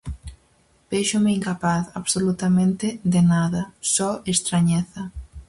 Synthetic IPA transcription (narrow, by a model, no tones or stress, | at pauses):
beʃʊmeiŋkapaθaβsolut̪amẽnt̪ɪðɪnaðɐsɔest̪ɾaɲɛθɐ